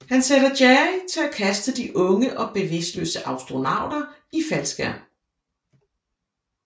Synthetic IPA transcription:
hænseɾɐdjæt͡sʰe̝lækʰæsd̥əd̥iʔɔ̽ŋəʔɒ̽b̥e̝ʋe̝sd̥lø̰ːsəʔɑ̈ʊsd̥ʁo̝nɑ̈ʊ̰d̥ɐ | ifælsɡ̥æ̰

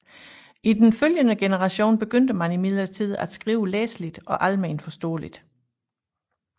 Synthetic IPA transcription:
ʔid̥enføljənəɡ̥enəʁɑ̈ɕo̝̰ːnb̥e̝ɡ̥øn̰d̥əmænimiðˠlɐt͡sʰið̞̰ˠæd̥sɡ̥ʁiːʊəlḛːslid̥ʔɒ̽ʔælmeːnfɒ̽sd̥ɔ̰ːlid̥

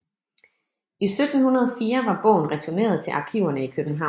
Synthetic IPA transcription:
isød̥n̩hunɐð̞ˠɒfiːɐʋɑ̈b̥ɔ̰̽ʊn̩ʁɛt͡sʰuɐne̝̰ːɐð̞ˠt͡sʰe̝lʔɑ̈kʰiʊɐnəikʰøb̥n̩ɦɑ̈ʊ̰n

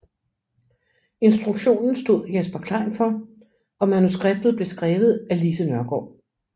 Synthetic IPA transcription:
e̝nsd̥ʁuɡ̥ɕo̝̰ːnn̩sd̥o̝ð̞̰ˠjesb̥ɐkʰlɑ̰̈nfɒ̽ | ɒ̽mænusɡ̥ʁeb̥̚d̥ð̞̩ˠble̝sɡ̥ʁɛːʋð̞̩ˠælisənɶɐɡ̥ɒ̰ː

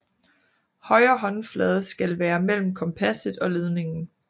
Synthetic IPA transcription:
hɒ̽ɪɐːɦɒ̽nflɛð̞ˠsɡ̥ælʋæːɐmel̰m̩kʰɒ̽mpʰæsəð̩ˠɒ̽leð̞ˠne̝ŋn̩

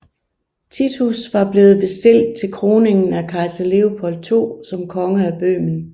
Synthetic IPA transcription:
t͡sʰit͡sʰusʋɑ̈b̥le̝ːð̩ˠb̥e̝sd̥e̝l̰d̥̚t͡sʰe̝lkʰʁo̝ːne̝ŋn̩ækʰɑ̈ɪsæle̝opʰɒ̽l̰̥̚t͡sʰo̝̰ːsɒ̽mkʰɒ̽ŋəæb̥ø̰ːmn̩

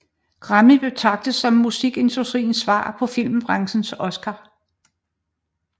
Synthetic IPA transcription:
ɡ̥ʁɑ̈mib̥e̝t͡sʰɑ̈ɡ̥̚d̥əsɒ̽mːusiɡ̥e̝nd̥usd̥ʁḭːn̩sʋɑ̰̈ːpʰɒ̽fil̰mb̥ʁɑ̈ŋsn̩sɔ̽sɡ̥ɑ̈

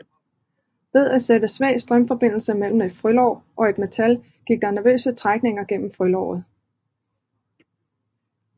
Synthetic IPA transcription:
ʋe̝ðˠæsed̥əsʋɛ̰ːɪsd̥ʁɶmfɒ̽b̥e̝n̰l̩səmel̰m̩e̝d̥fʁylɒʊʔɒ̽e̝d̥me̝t͡sʰæl | ɡ̥iɡ̥̚d̥ɑ̈næɐʋø̰ːsət͡sʰʁaɡ̥̚ne̝ŋɐɡ̥en̰m̩fʁylɒ̰ʊ̰ð̩ˠ

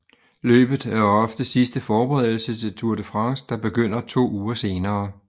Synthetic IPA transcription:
lø̰ːb̥ð̩ˠæɐɒ̽fd̥əsisd̥əfɒːb̥eʁɛðˠl̩sət͡sʰe̝lt͡sʰuɐd̥əfʁɑ̈ŋsd̥ɑ̈b̥e̝ɡ̥øn̰ɐt͡sʰo̝̰ːuːɐse̝ːnɐː

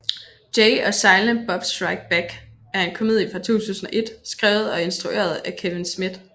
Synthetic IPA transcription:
d̥eɪɒ̽sɑ̈ɪlnəb̥ɒ̽b̥sʁɑɪɡ̥̚b̥æɡ̥ | æɐe̝nkʰomð̰ˠifɑ̈t͡sʰo̝̰ːt͡sʰṵːsn̩ɒ̽ʔe̝d̥sɡ̥ʁɛ̰ːʊð̞̩ˠɒ̽e̝nsd̥ʁuʔe̝̰ːɐð̞ˠækʰeʋe̝nsmid̥

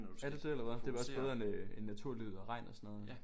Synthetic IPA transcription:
æd̥eseelɐʋeð̩ˠd̥e̝ʋɑ̈ɒ̽sb̥eðˠɐene̝nːæt͡sʰuɐ̰lyð̩ˠɒʁɑ̈ɪ̰nɒ̽sɒnɔ̽ːð̩ˠ

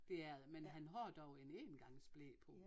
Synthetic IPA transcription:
d̥e̝æɐmenɦænɦɒ̰ːd̥ɒʊeneːnɡ̥ɑ̈ŋ̰sb̥lḛːpʰɔ̽

